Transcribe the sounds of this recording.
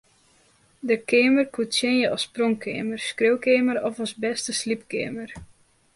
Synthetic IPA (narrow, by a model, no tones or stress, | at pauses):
dəkʰɪːmərkutsjenjəʔɔsprɔŋkʰeːmərskrøwkeːməɾɔfɔsbɛstəslipkɪːmər